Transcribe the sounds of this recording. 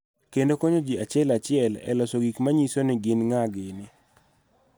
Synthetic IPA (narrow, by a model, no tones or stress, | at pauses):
kendokoɲod͡ʒiat͡ʃɪɛlat͡ʃɪɛlɛ̰lɔsoɡikmaɲisonɪɡɪnŋaɡɪnɪ